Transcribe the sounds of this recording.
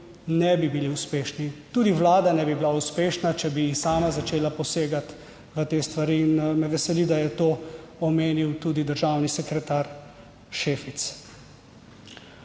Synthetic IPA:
nɛbibiliuspeːʃnit̪uːd̪iʋlaːd̪anɛbibilauspeːʃnat͡ʃɛbijisaːmazat͡ʃeːlapɔseːɡat̪ | ʋət̪eːst̪ʋaɾiːnmɛʋɛsɛlid̪ajɛt̪oːɔmeːniwt̪uːd̪id̪əɾʒaːwnisɛkɾɛt̪aːɾ | ʃeːfit̪s

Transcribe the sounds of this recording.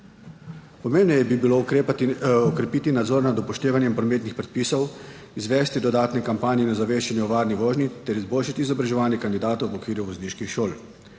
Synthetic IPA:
pɔmeːmbnɛjɛbibilo | ɔkɾɛpiːt̪inad̪zɔɾnad̪ɔpɔʃt̪eːʋanjɛmpɾɔmeːt̪nixpɾɛt̪̚piːsɔw | izʋɛst̪id̪ɔd̪aːt̪nɛkampaːnjɛinɔzaʋeːʃt͡ʃɛnjɛʋaːɾniʋoːʒnit̪ɛɾizboːlʃat̪iːzɔbɾaʒɛʋaːnjɛkand̪id̪aːt̪owʋɔkʋiːɾjuʋɔzniːʃkixʃoːl

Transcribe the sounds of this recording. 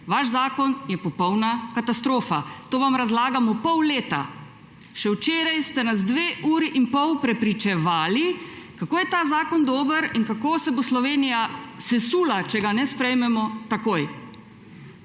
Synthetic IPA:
ʋaʃzaːkɔnjɛpɔpɔwnakat̪ast̪ɾoːfat̪oːʋamɾazlaːɡamɔpɔwleːt̪a̰ | ʃɛwt͡ʃeːɾajst̪ɛnazd̪ʋeːʔuːɾiʔinpɔwpɾɛpɾit͡ʃɛʋaːli | kakoːjɛt̪aːzaːkɔnd̪oːbəɾinkakoːsɛboslɔʋeːnijasɛsuːlat͡ʃɛɡanɛspɾɛjmɛmɔt̪akoːj

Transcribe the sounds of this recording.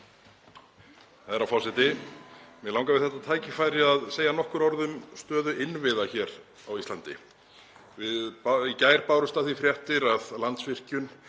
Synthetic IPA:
θaðɛɾawfɔsɪt̪ɪ | mɛlaw̃ŋkavɪðθɛht̪ːat̪ʰaːjcɪfaːjɾɪaðseːjanɔhkʏɾɔɾðʏmst̪œːðʏʔɪnvɪðaçɛːɾ | awist̪lant̪ɪ̰ | vɪðpicaːjɾpawɾʏmst̪aθvifɾjɛht̪ɪɾaðlant̪svɪr̥cʏn

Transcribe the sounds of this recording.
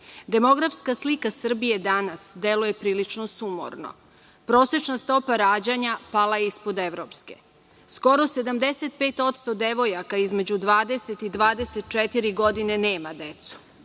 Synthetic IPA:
d̪e̞mo̞ɡɾafskaslikasr̩bije̞d̪anasd̪e̞luje̞pɾiːlit͡ʃnosumo̰ɾno̞̰ | pɾo̞ːse̞t͡ʃnast̪o̞paɾaːd͡ʑaɲapalajeispo̞d̪e̞ʋɾopske̞̰ | sko̞ɾo̞se̞d̪amd̪eset̪̚peːt̪o̞t̪st̪o̞d̪eʋo̞jakaizme̞d͡ʑud̪ʋaːd̪e̞set̪id̪ʋaːd̪eset̪̚t͡ʃet̪iɾiɡo̞d̪ine̞neːmad̪e̞t̪su̥

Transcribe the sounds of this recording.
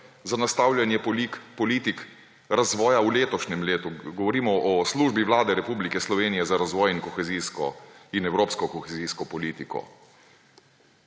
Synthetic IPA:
zanast̪aːwlʲjanjɛpɔlikpɔliːt̪ik | ɾazʋɔːjauleːt̪ɔʃnɛmleːt̪uɡɔʋɔɾiːmɔʔɔsluʒbiʋlaːd̪ɛɾɛpuːblikɛslɔʋeːnijɛzaɾazʋɔːjinkɔxɛziskɔ̰inɛwɾoːpskɔkɔxɛziːskɔpɔliːt̪ikɔ̰

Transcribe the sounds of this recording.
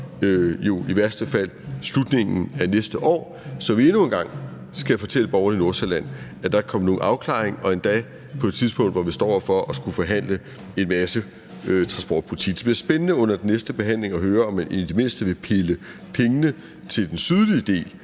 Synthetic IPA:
øjo̝iʋæɐsd̥əfæl̰slud̥ne̝ŋn̩æɐnesd̥əʔɒ̰ː | sɒ̽ʋie̝nue̝nɡ̥ɑ̈ŋ̰ | sɡ̥æfɒ̽t͡sʰel̰əb̥ɒʊɐnəino̝ɐselæn̰ | æd̥ɑ̈kʰɒ̽m̰no̝ːn̩ʔɑ̈ʊkʰlɑ̰̈ːe̝ŋɒ̽e̝nd̥ɛː | pʰɒ̽e̝d̥t͡sʰiðˠsb̥ɔ̽ŋ̰d̥ʋɒʋisd̥ɒ̰ːfɒ̽ʔɒsɡ̥ufɒɦæn̰lə | e̝nmæsə | øt͡sʰʁɑ̈nsb̥ɒ̰ːd̥̚pʰulit͡sʰḭɡ̥d̥e̝b̥liɐsb̥enənəɔ̽n̰ɐd̥enːesd̥əb̥e̝ɦæn̰le̝ŋɒ̽ɦøːɐɒ̽mːænʔed̥ime̝n̰sd̥əʋe̝pʰe̝lə | pʰeŋənə | t͡sʰe̝ld̥ensyðˠlid̥e̝̰ː

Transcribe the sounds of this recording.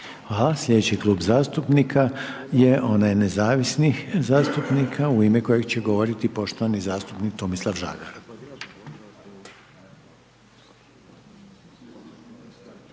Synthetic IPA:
aslʎʲe̞d̪et͡ɕikluːbzaːst̪upnikʰa | je̞ʔo̞najnezaːʋisnixzaːst̪upnikʰauimeko̞jeɡt͡ɕe̞ɡoʋo̞ɾit̪ipo̞ʃt̪oʋanizaːst̪upnik̚t̪omislˠafʒa̰ːɡaɾ

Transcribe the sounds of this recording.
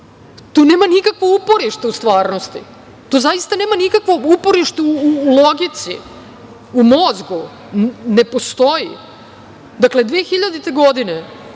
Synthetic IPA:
t̪uːne̞ːmanikakʋoupo̞ɾiʃt̪eust̪ʋaːɾno̞st̪ḭ | t̪ozaist̪ane̞ːmanikakʋoupo̞ɾiʃt̪euuloɡit̪sḭ | umo̞zɡu | ne̞post̪o̞ji | d̪akle̞d̪ʋeːxiʎad̪it̪eɡo̞d̪ine

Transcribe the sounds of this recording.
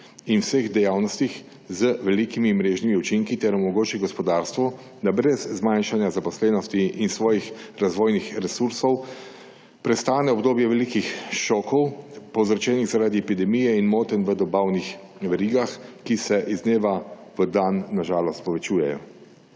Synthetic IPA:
inwsəɣd̪ɛjaːwnɔst̪ix | zəʋɛlikimimɾeːʒnimiut͡ʃiŋkit̪ɛɾɔmɔɡoːt͡ʃiɡɔspɔd̪aːɾst̪ʋɔ | d̪abɾɛzːmajnʃanjazapɔslɛːnɔst̪iʔinsʋɔːjixɾazʋoːjnixɾɛsuɾsɔw | pɾɛst̪aːnɛɔbd̪oːbjɛʋɛliːkixʃɔːkɔwpɔwzɾt͡ʃɛːniɣzaɾaːd̪iɛpid̪ɛmijɛinmoːt̪ənʋəd̪ɔbaːwnix | ʋɛɾiːɡaxkisɛʔizneːʋa | ʋəd̪anːaʒaːlɔst̪̚pɔʋɛt͡ʃuːjɛ̰jɔ̰

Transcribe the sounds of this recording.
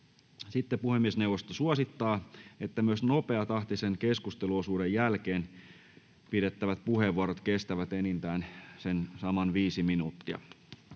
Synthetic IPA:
sit̪ːepuhemːiesneuwʋost̪osuɑsit̪ːɑːet̪ːæmyøsnope̞ɑt̪ɑht̪isenkeskust̪eluosuːdejjælkeːn | pidet̪ːæʋæt̪̚puheʋːuɑɾot̪kest̪æʋæt̪enint̪æːnsensɑmɑnʋiːsiminut̪ːiɑ̰

